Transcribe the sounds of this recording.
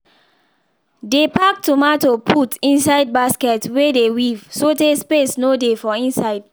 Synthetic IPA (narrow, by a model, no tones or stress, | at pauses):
depak̚tumatopʰutĩns̬aɪd̚baskɛtwedewivsotespesnodefɔĩnsaɪd